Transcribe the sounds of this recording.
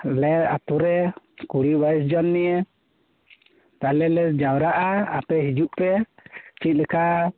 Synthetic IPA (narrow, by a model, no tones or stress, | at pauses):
lɛa̰t̪uɾɛ | kuɽibaɛsd͡ʒɔnːɛjɛ | t̪alɛlɛd͡ʒawɾaʔaapɛɦid͡ʒuʔpɛt͡ʃit̪̚ˀlɛka